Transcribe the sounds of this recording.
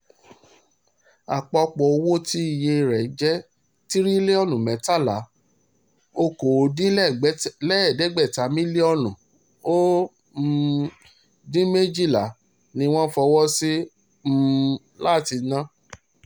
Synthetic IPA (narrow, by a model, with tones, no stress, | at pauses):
a̰˨k͡pɔ˧k͡pɔ˨o˧wo˦ti˦i˨je˧˨ɾɛ˨d͡ʒɛ˦ | ti˦ɾi˦le˦ɔ˦˨nũ˨mɛ̃˨˦ta˦˨la˨˦ | o˧ko˨dĩ˦ | lɛ˦˨dɛ˨˦ɡ͡bɛ˦˨ta˨˦mĩ˦le˦ɔ˦˨lũ˨ | o˦ | dĩ˦me˦d͡ʒi˦˨la˨ | nĩ˧w̃ɔ̃˦fɔ˧wɔ˦si˦ | m̩˦ | la˦˨ti˧nã˦